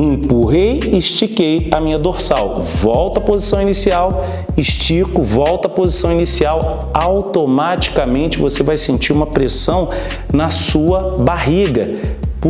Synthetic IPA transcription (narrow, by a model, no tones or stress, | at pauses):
ĩpuɦejɪʃt͡ʃikejɐmĩɲɐd̪oɾsaw | vɔwt̪ɐpozisɐ̃w̃inisiaw | ɪʃt͡ʃikʊvɔwt̪ɐpozisɐ̃w̃inisiaw | awt̪omat͡ʃi̥kɐmẽnt͡ʃɪvosevajsẽnt͡ʃiɾũmɐpɾesɐ̃w̃ | nɐsuɐbaɦiɡɐp